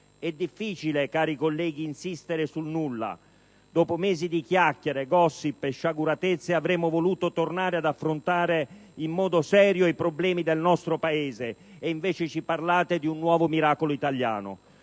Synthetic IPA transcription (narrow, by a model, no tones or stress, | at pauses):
ɛd̪ːifːiːt͡ʃilekaːɾikolːɛːɡiːnsist̪eɾɪsulnulːa̰ | d̪ɔːpomɛːzid̪ikjakːeɾeɡɔsːipeʃːaɡuɾat̪et̪sːeavɾɛːmʊvoluːt̪ot̪ornaːɾead̪afːɾʊnt̪aːɾeimːɔːd̪osɛːɾjoipɾoblɛːmid̪elnɔst̪ɾopaeːzeːiɱveːt͡ʃet͡ʃiparlaːt̪ed̪iunːwɔːvomiɾaːkoloit̪alja̰ːnʊ̰